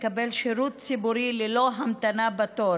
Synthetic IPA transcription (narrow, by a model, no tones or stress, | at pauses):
kabelʃeɾut̪t͡sibuɾilelo̞ɦamt̪anabat̪oɾ